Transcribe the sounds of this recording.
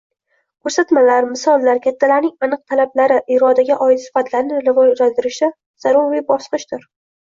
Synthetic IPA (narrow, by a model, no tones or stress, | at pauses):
kʲʰɵɾsat̪malaɾmɪsɒlˠːaɾkʲʰat̪ʰːalaɾnɪŋanɨq̚t̪ʰalablaɾɪʔɪɾɒd̪aɡʲaʔɒɪt̪sɪ̥fat̪ʰlaɾnɪɾɪvɒd͡ʒlald̪ɪɾɪʃa | z̥aɾʊɾvibɒsqɨʃd̪ʊɾ